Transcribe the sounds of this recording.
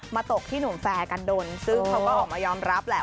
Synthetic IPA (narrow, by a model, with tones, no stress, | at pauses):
maː˧t̪o˨˩k̚t̪ʰiː˥˩nu˨˩˦fɛː˧ka˧ndoː˧nsɯ˦˥˩ŋkʰa˦wkɔː˥˩ʔɔː˨˩maː˧jɔː˧mɾa˦˥p̚lɛː˦˥